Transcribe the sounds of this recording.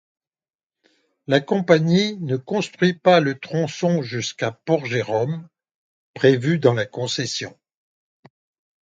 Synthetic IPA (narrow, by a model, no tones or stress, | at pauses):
lakɔ̃paɲinəkɔ̃st̪χɥipalət̪χɔ̃sɔ̃ʒyskapɔʁʒeʁɔm | pχevyd̪ɑ̃lakɔ̃sɛsjɔ̰̃